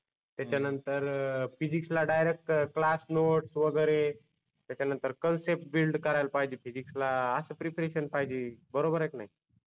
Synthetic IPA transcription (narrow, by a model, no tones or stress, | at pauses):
t̪jat͡ɕjanənt̪əɾfid͡ʑikslaɖajɾek̚ʈklasnoʈsʋəɡəɾe | t̪jat͡ɕanənt̪əɾkənsep̚ʈ̚bilɖkəɾajlpaɦd͡ʑiːfid͡ʑikslaəsəpɾipɾeɕənpaɦid͡ʑibəɾobəɾeknaɦi